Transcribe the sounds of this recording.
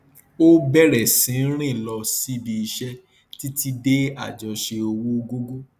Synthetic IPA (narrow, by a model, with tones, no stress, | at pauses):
o˦bɛ˦˨ɾɛ˨sĩ˨˦ɾ̃ĩ˦˨lɔ˧si˦bi˧i˧ʃɛ˦ | ti˦ti˧de˦a̰˦˨d͡ʒɔ˨ʃe˧o˧wo˦ɡo˦ɡo˦